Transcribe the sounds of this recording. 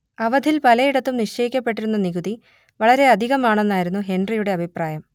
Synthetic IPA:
ɐʋɐd̪ʱilpɐlɐjiɽɐt̪ːumniʂt͡ɕɐjikʲːɐpːe̞ʈ̬ːiɾunːɐniɣuði | ʋɐɭɐɾe̞ɐd̪ʱiɣɐmaːɳe̞nːaːjiɾunːuɦe̞nrijuɽe̞ɐbʱipraːjɐm

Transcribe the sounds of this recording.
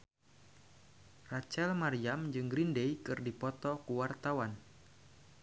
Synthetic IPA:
rat͡ʃɛlmaɾiamd͡ʒɨŋɡɾindejkɨrdipɔt̪ɔkuwart̪awan

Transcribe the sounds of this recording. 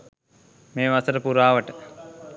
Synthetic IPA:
meːʋasəɾəpuɾaːʋəʈə

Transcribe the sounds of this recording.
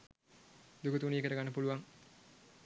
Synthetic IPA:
d̪ukut̪uniekəɾəɡanːəpuluʋaŋ

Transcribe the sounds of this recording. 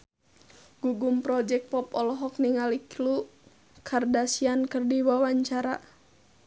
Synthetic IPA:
ɡ̥uɡumpɾɔd͡ʒɛk̚t̚pɔpɔlɔɦɔk̚niŋaliklu | kʰardasiankɨrdiwawaɲt͡ʃaɾa

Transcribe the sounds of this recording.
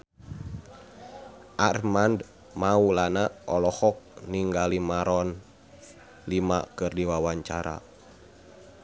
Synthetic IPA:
ʔarmand | maulanaʔɔlɔhɔk̚niŋɡalimaɾɔn | lima̰kɨrdiwawaɲt͡ʃaɾa̰

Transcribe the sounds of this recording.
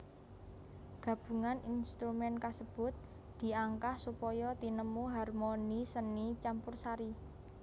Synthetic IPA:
ɡ̥ä̤b̥ṳŋaninst̪ɾumɛnkasəb̥ʊ̤t̪̚ | d̪̥i̤aŋkahsupɔjɔt̪inəmuɦarmonisənit͡ʃampʊrsaɾi

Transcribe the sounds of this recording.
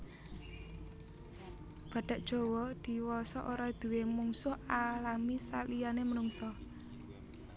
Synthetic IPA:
b̥ä̤ɖ̥a̤ʔd̥ʒ̥o̤wɔd̪̥i̤wɔsɔʔoɾɔd̪̥ṳwemuŋsʊhalamisalijanemənuŋsɔ

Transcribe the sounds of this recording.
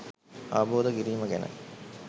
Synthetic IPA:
aːboːd̪ɐɡiɾiːmɐɡenɐ̰

